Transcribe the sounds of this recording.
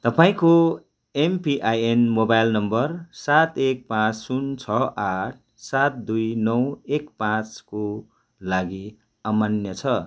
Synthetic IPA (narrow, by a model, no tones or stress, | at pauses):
t̪ʌpaĩko | empiʔajenmobajlnʌmbʌrsat̪ek̚pãt͡ssunt͡sʰʌʔaʈ̚ʰ | sat̪̚d̪ujnʌwekpãt͡sko | laɡi | amanjʌt͡sʰʌ